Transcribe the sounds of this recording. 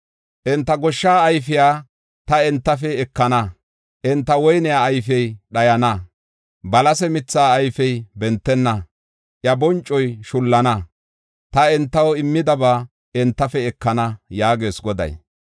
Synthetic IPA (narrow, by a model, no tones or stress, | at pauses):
ʔɛnt̪ːɐɡɔʃːaːjfɪjaː | t̪ɐɛnt̪ːɐfɛːkːɐnɐ | ʔɛnt̪ːɐwɔjnɪjaːjfɛjɗɐjɐnɐ | bɐlɐsɛmɪt͡sːaːjfɛjbɛnt̪ːɛnːɐ | ʔjɐbɔnt͡ʃʼːɔjʃʊlːɐnɐ | t̪ɐɛnt̪ːɐwɔɪmːɪd̪ɐbaː | ɛnt̪ːɐfɛɛkːɐnɐjaːɡeːsɡɔd̪ɐ̰j